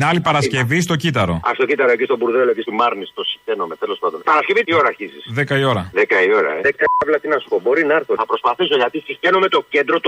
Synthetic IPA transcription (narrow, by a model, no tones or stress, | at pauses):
nɐlipɐɾɐsce̞vist̪o̞cit̪ɐɾo̞ɐ̰st̪ocit̪ɐɾoecist̪o̞buɾðeloecist̪imɐɾnist̪o̞si̥xt̪e̞nome̞t̪elo̞spɐnd̪o̞npɐɾɐsce̞vit̪io̞ɾɐɾçizisðe̞kɐio̞ɾɐðekɐio̞ɾɐ̰eðekɐɐvlɐt̪inɐsxobo̞ɾinɐɐɾθoθɐpɾo̞spɐθiso̞ʝɐt̪isixt̪enome̞t̪o̞ce̞nd̪ɾo̞t̪